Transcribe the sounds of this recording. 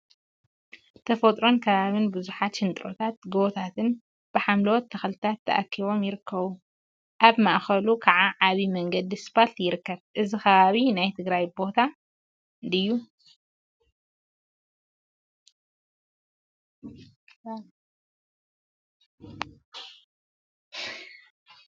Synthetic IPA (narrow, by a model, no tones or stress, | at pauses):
t̪ʰɐfɐt̪ʼɾo̞nkʰɐβaβɨnbɨzuħat̪ʃɨnt̪ʼɾo̞t̪ʰat̪̚ɡɨβt̪ʰat̪ʰɨn | b̥ɨħamlɐwot̪ʰːɐxlɨt̪ʰat̪ʰːɐ̰ʔakʰːiβo̞mjɪɾɨkʰːɐβu | ʔaβmaʔxɐlukʰaʕaʕaβimɐŋɡɐd̪isɨ̥palt̪jɪɾɨkːɐβʔɨzixɐβaβinajt̪ʰɨɡɾajbo̞t̪ʰa | ɨnd̪ɨjːu